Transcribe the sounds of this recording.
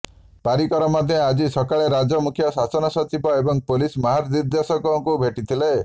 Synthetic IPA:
paɾikɔɾɔmad̪ʱjɔad͡ʒisɔkaɭeɾad͡ʒɔmukʰjɔsasɔnɔsɔt͡ʃibɔebɔŋpulismɔɦaɾd̪iɾd̪jasɔkɔŋkubʱeʈit̪ʰile

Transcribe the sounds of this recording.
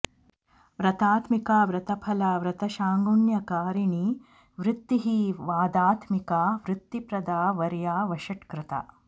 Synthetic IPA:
ʋɾɐt̪aːt̪mikaːʋɾɐt̪ɐpʰɐlaːʋɾɐt̪ɐʃaːŋɡuɳjɐkaːɾiɳi | ʋɾɪt̪ːiɦiʋaːd̪aːt̪mikaːʋɾɪt̪ːipɾɐd̪aːʋɐɾjaːʋɐʃɐʈkɾɪt̪a̰

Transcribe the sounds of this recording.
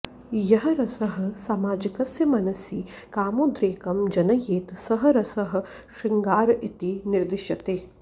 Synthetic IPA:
jɐɦɐɾɐsɐɦɐ̆saːmaːd͡ʒikɐsjɐmɐnɐsi | kaːmud̪ɾeːkɐmd͡ʒɐnɐjeːt̪sɐɦɐ̆ɾɐsɐɦɐ̆ | ʃiŋɡaːɾit̪iniɾd̪ɪʃɐt̪eː

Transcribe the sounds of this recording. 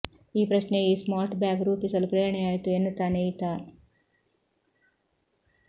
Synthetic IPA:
iːpɾɐsneiːsmaːɾʈbaːɡɾuːpisɐlupɾeːɾɐɳeaːjt̪uenːɐt̪aːnejt̪aː

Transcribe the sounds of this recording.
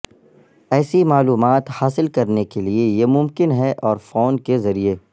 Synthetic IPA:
ɛːsimaːluːmaːt̪haːsɪlkɐɾnekeliejemʊmkɪnɦɛʔɔːɾfoːnkezɐɾie

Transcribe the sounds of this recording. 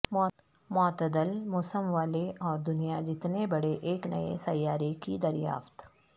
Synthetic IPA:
m | mɔːt̪əd̪əlmʊsəmʋaːleʔɔːɾd̪ʊnijad͡ʒɪt̪nebɐɽeʔeːknɐ̰ḛsɐjːaːɾekid̪ɐɾja̰ːft̪

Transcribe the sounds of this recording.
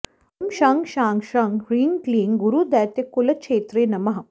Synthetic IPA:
mʃaŋɡʃaːŋɡʃaŋɡɾiːŋkliːŋɡuɾuːd̪ɛːt̪jɐkːulɐkt͡ʃʰeːt̪ɾeːnɐmɐɦɐ

